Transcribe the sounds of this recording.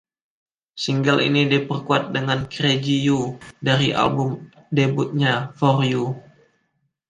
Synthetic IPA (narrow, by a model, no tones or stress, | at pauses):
siŋɡəlḭnidipərkuat̪̚dəŋankɾed͡ʒijudaɾiʔa̰lbʊm | debʊt̪̚ɲafɔriju